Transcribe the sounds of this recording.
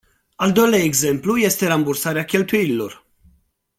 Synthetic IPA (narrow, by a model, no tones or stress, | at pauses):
ald̪ojlaeɡzemplujest̪eɾambursaɾeakʲe̞lt̪ujililor